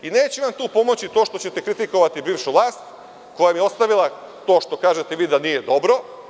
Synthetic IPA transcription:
ineːt͡ɕuʋamt̪uːpo̞mo̞t͡ɕit̪o̞ːʃt̪ot͡ɕet̪ekɾit̪iko̞ʋat̪ibiːʋʃuʋlˠaːst̪ | ko̞jamijeo̞st̪aʋilˠat̪o̞ːʃt̪o̞kaːʒe̞t̪eʋiːd̪anije̞d̪o̞bɾo̞

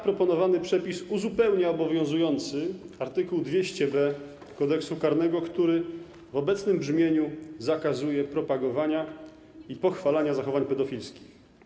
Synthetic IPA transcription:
pɾɔpɔnɔvanɘpʂɛpʲisuzupɛwɲaɔbɔvʲjɔ̃w̃zujɔnt̪sɘaɾt̪ɘkuwd̪vʲjeɕt͡ɕɛbɛ | kɔd̪ɛksukaɾn̪ɛɡɔkt̪uɾɘ | vɔbɛt̪snɘmbʐmʲjeɲuzakazujɛpɾɔpaɡɔvaɲa | ipɔxfalaɲazaxɔvaɲpɛd̪ɔfʲilskʲi̥x

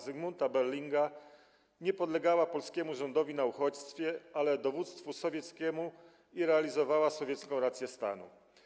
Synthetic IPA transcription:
zɛɡmunt̪abɛɾlʲiŋɡa | ɲɛpɔd̪lɛɡawapɔlskʲɛmuʐɔnd̪ɔvʲinauxɔt͡ɕst̪fʲjɛalɛd̪ɔvut̪st̪fusɔvʲjɛt̪skʲɛmu | iɾɛalʲizɔvawasɔvʲjɛt̪skɔ̃w̃ɾat̪sʲjɛst̪a̰nṵ

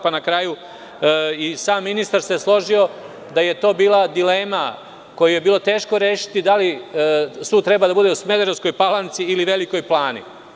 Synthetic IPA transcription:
panakɾaːju | isaːmːinist̪aɾseslˠo̞ʒio̞ | d̪aje̞t̪o̞ːbiːlˠad̪ileːma | ko̞juje̞biːlˠo̞t̪e̞ːʃko̞ɾe̞ːʃi̥t̪id̪ali | suːd̪̚t̪ɾe̞bad̪abud̪eusme̞d̪eɾosko̞jpalant̪siiliʋe̞liko̞jplˠaːnḭ

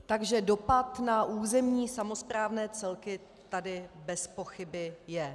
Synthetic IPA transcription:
t̪aɡʒɛdo̞pat̪naʔuːzɛmɲiːsamo̞spɾaːvnɛːt͡sɛlkɪ | t̪adɪbɛspo̞xɪbɪjɛ

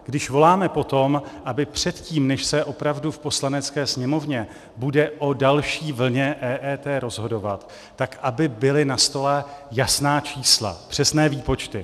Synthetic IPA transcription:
ɡ̥dɪʃvo̞laːmɛpo̞t̪o̞mʔabɪpr̝̥ɛt̪ciːmnɛʃsɛʔo̞pɾavdufpo̞slanɛt͡skɛːsɲɛmo̞vɲɛ | budɛʔo̞dalʃiːvl̩ɲɛʔɛːʔɛːt̪ɛːɾo̞zɦo̞do̞vat̪ː | akʔabɪbɪlɪnast̪o̞lɛjasnaːt͡ʃiːsla̰pr̝̥ɛsnɛːviːpo̞t͡ʃt̪ɪ

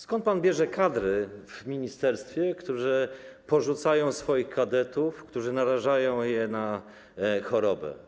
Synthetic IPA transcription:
skɔnt̪panbʲjɛʐɛkad̪ɾɘvmʲiɲist̪ɛɾst̪fʲjɛkt̪uʐɛpɔʐut̪sajɔ̃w̃sfɔjixkad̪ɛt̪ufkt̪uʐɘnaɾaʐajɔ̃w̃jɛna | xɔɾɔbɛ̰

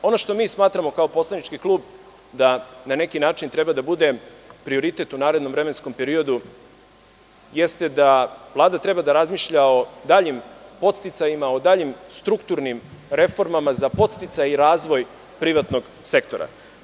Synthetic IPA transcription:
o̞no̞ʃt̪o̞miːsmaːt̪ɾamo̞kaopo̞slˠaniʈ͡ʂkiklˠuːb | d̪anane̞kinaːt͡ʂint̪ɾebad̪abud̪e̞pɾio̞ɾit̪e̞t̪unaːɾe̞d̪no̞mvɾe̞me̞nsko̞mpe̞ɾio̞d̪u | jest̪e̞d̪avlˠaːd̪at̪ɾe̞bad̪aɾazmiːʃʎao̞d̪aːʎimpo̞t̪st̪it̪sajimao̞d̪aːʎimst̪ɾukt̪uɾnimɾe̞fo̞ɾmamazapo̞t̪st̪it̪sajiɾaːzʋo̞j | pɾiʋat̪no̞ɡ | se̞kt̪o̞ɾa̰

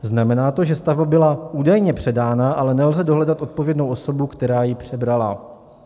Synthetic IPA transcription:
znamɛnaːt̪o̞ʒɛst̪avbabɪlaʔuːdajɲɛpr̥ɛdaːnaʔalɛnɛlzɛdo̞ɦlɛdat̪ʔo̞t̪̚po̞vjɛdnowʔo̞so̞bukt̪ɛɾaːjɪpr̝̥ɛbɾala̰

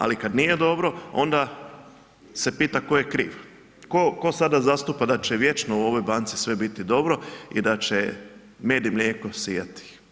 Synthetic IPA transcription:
a̰likad̪nije̞d̪o̞bɾo̞o̞nd̪a | se̞piːt̪ako̞jekɾiːʋ | koko̞sad̪azast̪upad̪at͡ʃeʋje̞t͡ʃnouo̞ʋojbaːnt̪si̥sʋe̞bit̪id̪o̞bɾo̞ḭd̪at͡ʃe | me̞ːd̪imlʲjeːko̞sijat̪i̥

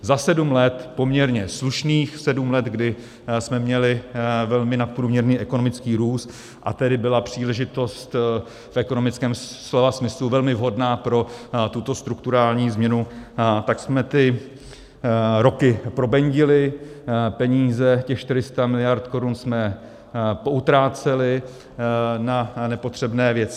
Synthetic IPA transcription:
zasɛdumlɛt̪po̞mɲɛɾɲɛsluʃniːxsɛdumlɛt̪ɡdɪ | smɛmɲɛlɪvɛlmɪnat̪̚pɾuːmɲɛɾniːʔɛko̞no̞mɪt͡skiːɾuːst̪ | ʔa̰t̪ɛdɪbɪlapr̝̥iːlɛʒɪt̪o̞st̪ | fʔɛko̞no̞mɪt͡skɛːmslovasmɪsluvɛlmɪvɦo̞dnaːpɾo̞t̪ut̪o̞st̪ɾukt̪uɾaːlɲiːzmɲɛnut̪aksmɛt̪ɪ | ɾo̞kɪpɾo̞bɛɲɟɪlɪ | pɛɲiːzɛcɛxʃt̪ɪɾɪst̪amɪlɪjaɾt̪ko̞ɾunsmɛ | poʔut̪ɾaːt͡sɛlɪ | nanɛpot̪r̝̥ɛbnɛːvjɛt͡sɪ

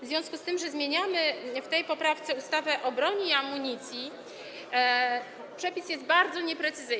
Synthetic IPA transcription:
vzvʲɔ̃skust̪ɘmʐɛzmʲjeɲamɘft̪ɛjpɔpɾaft̪sɛust̪avɛʔɔbɾɔɲiamːuɲit̪sʲji | pʂɛpʲisjɛst̪̚baɾd̪zɔɲɛpɾɛt̪sɘzɘj

